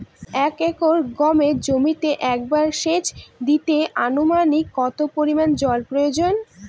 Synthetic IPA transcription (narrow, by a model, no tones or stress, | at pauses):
ɛkɛkoɾɡɔmed͡ʑomit̪eʔɛk̚baɾʃeʃd̪it̪eʔanomanikːɔt̪opoɾimand͡ʑɔlpɾojod͡ʑon